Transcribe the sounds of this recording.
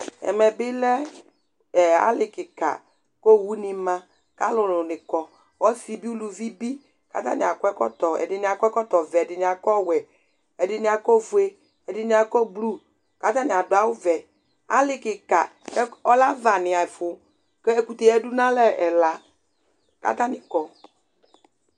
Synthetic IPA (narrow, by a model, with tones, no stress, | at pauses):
ɛ̰˨mɛ˨bɪ˦lɛ˦˨ | a̰˦lɪ˨kɪ˨ka̰˨ | ko˦˨wu˦nɪ˨mã˦ | ka˦lʊ˨lʊ˨nɪ̃˨kɔ˨ | wɔ˦si˨bi˦u˦lu˨vi˦bi˦ | ka̰˨t̪a̰˦nɪ̃˨a˨kɔ˦ɛ˦kɔ̰˦t̪ɔ˨ɛ̰˨dɪ˨nɪ̃˨a˨kʷɛ˦kɔ˦t̪ɔ˨vɛ˨dɪ˨nɪ˨a˨kɔ˦wɛ˨ | ɛ˨dɪ˨nɪ̃˨a˨ko˦vu˨e˦ | ɛ˨dɪ˨nɪ̃˨a˨kɔ˦blu˦ | ka˦t̪a˦nɪ˨a˨dʊ˨a˦wʊ˦vɛ˨ | a̰˦lɪ˨kɪ˨ka̰˨ | kɛ˦ɔ˦la˦va˨nɪ˨a˨fʊ˨ | kɛ˦e˦ku˨t̪e˨ɛ˦du˦nã˦lɛ˦ɛ˨la˨ | ka̰˦t̪a˦nɪ˨kɔ˨